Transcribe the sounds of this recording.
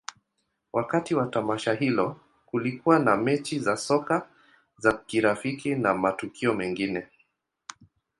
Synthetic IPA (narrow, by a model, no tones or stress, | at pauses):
wʔakatiwatamaʃaɦilɔ | kulikuwanamɛt͡ʃizasɔka | zakiɾafikinamatukiɔmɛŋɡinɛ